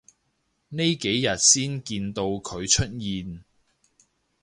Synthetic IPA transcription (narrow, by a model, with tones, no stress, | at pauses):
ne˥jke˨˥jːɐ˨t̚siː˥nkiː˧nt̪o˧wkʰɵ˨˧ɥt͡ʃʰɵ˥t̚jiː˧n